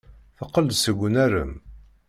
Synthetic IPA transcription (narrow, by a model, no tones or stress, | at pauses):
θəqːəld̪səɡʷnæɾə̰m